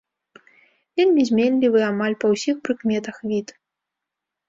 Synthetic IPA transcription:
vʲelʲmʲizʲmʲenʲlʲivɨamalʲpɐwsʲixpɾɨkmʲɛt̪ɐxvʲit̪

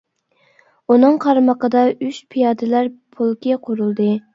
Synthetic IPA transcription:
unɨŋqʰɑɾməqəd̪ɑyʃpʰijɑːd̪ɪlæɾpʰulˠkʲɪqʰoɾulˠd̪ɨ

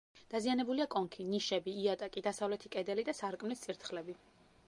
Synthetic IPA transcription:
d̪̥azianɛbuliakʼɔŋkʰiniʃɛbiːat̪ʼakʼid̪asavlɛt̪ʰikʼɛd̪ɛlid̪asaɾkʼmlist̪sʼiɾt̪ʰχlɛbi

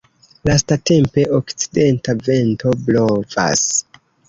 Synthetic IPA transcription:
lastate̞mpe̞ʔokt͡side̞ntave̞nto̞blova̰s

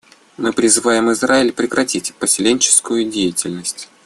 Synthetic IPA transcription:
mɨpɾʲɪzɨvajɪmɨzraɪlʲpɾʲɪkɾɐtʲitʲpəsʲɪlʲenʲt͡ɕɪ̥skʊjʊdʲejɪtʲɪlʲnəsʲtʲ

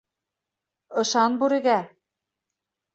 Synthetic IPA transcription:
ɤ̆ʃɑnbuɾɘ̆ɡæ

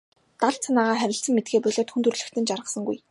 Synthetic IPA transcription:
t̪aɮt͡sʰanaːʁaːχæɾʲɪ̆ɬt͡sə̆ŋmet̪̚ɡeːpœɮoːt̪xunt̪ɵ̆rɮɵ̆xt̪ʰɘ̆nt͡ɕarʁə̆sə̆ŋɡṵj

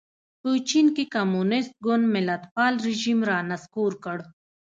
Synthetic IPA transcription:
put͡ʃinkikɐmunist̪̚ɡonmilɐt̪paːlɾiʑimɾaːnɐskuːɾkəɽ

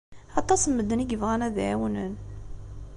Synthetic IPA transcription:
ɑt̪ˤɑsəmːəd̪ːəniɡəvʁænæðʕæ̰wnən

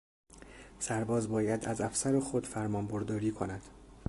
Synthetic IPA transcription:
sæɾbɒːzbɒːjæd̪æzæfsæɾexod̪̥fæɾmɒːmboɾd̪ɒːɾiːkʰo̞næd̪̥

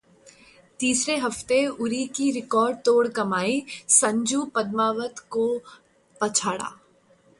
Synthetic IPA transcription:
t̪iːsɾeɦɐft̪eʊɾikiɾɪkɔːɾɖ̚t̪oːɽkɐmaːisɐ̃ɲd͡ʒuːpɐd̪maːʋət̪ko | pɐt͡ʃʰaːɽa̰ː

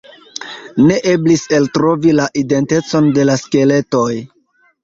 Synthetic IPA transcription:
ne̞ʔe̞blise̞ltɾo̞vilaʔide̞nte̞t͡so̞nde̞laske̞le̞to̞j

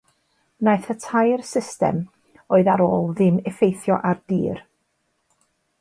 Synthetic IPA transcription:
najθətʰajrsɪstɛ̰m | oɨðaɾoːlˠðɪmɛfejθjɔʔard̥ḭːr

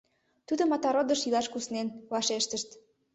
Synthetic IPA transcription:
t̪ud̪omɑt̪ɑɾod̪ə̆ʃilɑʃkusnenvɑʃeʃt̪əʃt̪

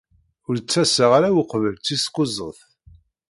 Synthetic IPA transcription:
ʊɾt͡sːæsəʁaɾawəqvəlt͡sːisqozˤə̰θ

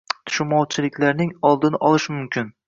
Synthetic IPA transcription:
t̪ʰʊ̥ʃɪmɒwt͡ʃʰɪlɪkʲlaɾnɪŋɒlˠd̪ɪnɪʔɒlˠɪʃmʊmkʲʰɪn

